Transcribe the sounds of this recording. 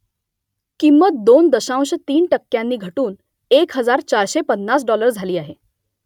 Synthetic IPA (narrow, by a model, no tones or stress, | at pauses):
kimːət̪̚d̪ond̪əɕãw̃ɕət̪iːnʈəkːjanːiːɡʱəʈuːn | ekɦəd͡zaɾt͡ɕaɾɕepənːas̬ɖɔləɾd͡zʱaliːaɦe